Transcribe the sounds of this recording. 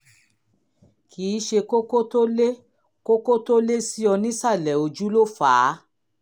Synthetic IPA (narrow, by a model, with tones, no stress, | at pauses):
kʰiː˨˦ʃe˧ko˦ko˦to˦le˦ | ko˦ko˦to˦le˦si˦ɔ˧nĩ˦sa˦˨lɛ˨o˧d͡ʒu˦lo˦˨faː˨˦